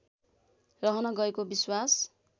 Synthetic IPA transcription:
rʌɦʌnʌɡʌekobiswas

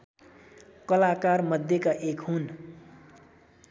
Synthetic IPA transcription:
kʌlakarmʌd̪ʱjekaʔekɦun

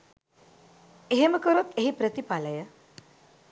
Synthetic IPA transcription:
eɦeməkəɾot̪eɦipɾət̪ipaləjə

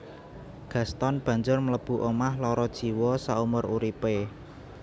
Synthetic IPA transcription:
ɡ̥ä̤st̪ɔnb̥ä̤ɲd͡ʒʊrmələb̥ṳʔomahlɔɾɔd̥ʒ̥i̤wɔsaumʊruɾipe

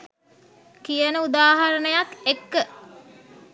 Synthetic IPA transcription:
kijənəud̪aːɦɐɾənəjakekːə

